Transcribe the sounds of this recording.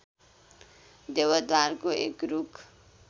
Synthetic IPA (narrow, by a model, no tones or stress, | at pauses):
d̪ewʌd̪warkoḛkruk